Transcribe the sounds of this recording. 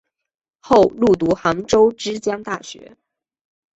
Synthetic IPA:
xo˥˧ʊlu˥˩t̪̬u˧˥xa˧˥ŋʈ͡ʂo˥ʊʈ͡ʂɻ̩˥t͡ɕjɑ˥ŋt̪a˥˩ɕɥɛ̰˧˥

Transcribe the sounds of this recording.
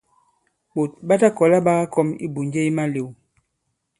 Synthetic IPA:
ɓo˨t̚ɓa˦ta˦kɔ˨la˦ɓa˦ɣa˦kɔ˦mḭ˦bu˨nd͡ʒe˦i˦ma˦le˨w

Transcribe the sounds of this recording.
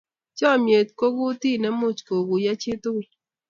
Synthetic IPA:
t͡ʃɔ˦˨mje˨t̚ko˦ɡu˦ti˦˨nɛ˦mʊ˦˨t͡ʃko˨ɡu˨ja˦t͡ʃe˦tʊ˦

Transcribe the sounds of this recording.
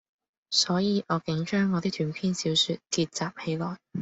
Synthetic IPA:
sɔː˨˥jiː˨˧ʔɔː˨˧kɪ˨˥ŋt͡ʃœː˥ŋːɔː˨˧t̪i˥t̪ʰyː˨˧npʰiː˥nsiː˨˥wsyː˨˧t̚kiː˧t̚t͡saː˨p̚he˨˧jlɔː˨˩j

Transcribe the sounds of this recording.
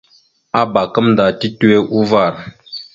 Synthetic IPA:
a˦ba˨kə˦mda˨ti˦tu˦e˦ʔu˦va˦˨ɾ

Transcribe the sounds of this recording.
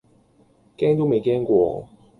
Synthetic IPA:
kɛ˥nt̪o˥me˨˦jkɛ˥ŋkwɔ̰˨˩˦

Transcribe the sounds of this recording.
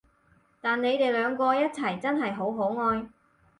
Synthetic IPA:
t̪aː˨nːe˨˧jt̪e˨jlœː˨˧ŋkɔː˧jɐ˥t̚t͡sʰɐ˨˩jt͡sɐ˥nɦɐ˨jɦo˨˥wɦo˨˥wŋɔː˧j

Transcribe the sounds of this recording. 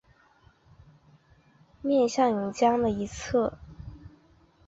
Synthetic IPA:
mjɛ˥˧nɕjɑ˥˩ŋu˧˥ŋt͡ɕjɑ˥ŋd̪ə˨i˧˥t͡sʰɤ˥˩

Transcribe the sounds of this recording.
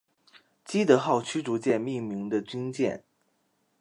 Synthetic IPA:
t͡ɕi˥d̪ɤ˧˥xɑ˥˩ʊt͡ɕʰy˥ʈ͡ʂu˧˥t͡ɕjɛ˥˧nmi˥˩mi˧˥ŋd̪ə˧t͡ɕy˥nt͡ɕjɛ̰˥˩n

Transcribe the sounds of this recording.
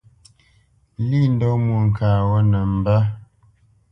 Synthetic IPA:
li˦˨n̩˦dɔ˦mu˨ŋ̩˨kʰaː˨wɔ˦nə˨m̩˨ba˦

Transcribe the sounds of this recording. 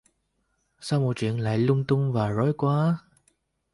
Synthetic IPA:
saː˧wmo˨˩t̚t͡ɕwḭ˧˨ənla̰ː˧˨jlʊ˧ŋ͡mt̪ʊ˧ŋ͡mvaː˨˩zo˨˦jkwaː˨˦

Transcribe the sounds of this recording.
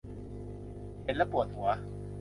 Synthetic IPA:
pe˨˦nlɛ˦˥pu˨˩ət̪̚hu˨˦ɐ

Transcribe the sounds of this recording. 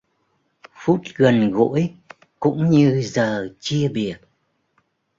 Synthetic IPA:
fu˦˥t̚ɣə˨˩nɣo̰˧˥əj | kʊ̰˧˥ŋ͡mɲɨ˧zəː˨˩t͡ɕi˧əɓi˨˩ət̚

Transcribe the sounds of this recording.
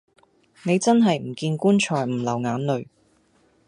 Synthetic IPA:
ne˨˧jt͡sɐ˥nɦɐ˨jm̩˨˩kiː˧nkuː˥nt͡ʃʰɔː˨˩jm̩˨˩lɐ˨˩wŋaː˨˥nlɵ˨˧ɥ

